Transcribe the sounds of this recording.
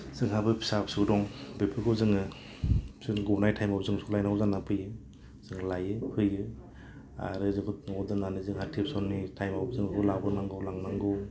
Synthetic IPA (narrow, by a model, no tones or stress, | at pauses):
z̥ɯŋɦabɯpʰi̥sapsɯdɔŋbepʰɯkʰɔzɯŋɯ̥ | sɯnɡɔnajtʰajmɔp̚zɯŋsulajnazanapʰɯjɯ | z̥ɯŋlajɯpʰɯjɯ | a̰ɾɯzɯŋkʰɔɔdɯnanizɯŋhatʰip̚sɔnːitʰajmab̚zɯŋkulabɯnaŋɡɯwlaŋnaŋɡɯw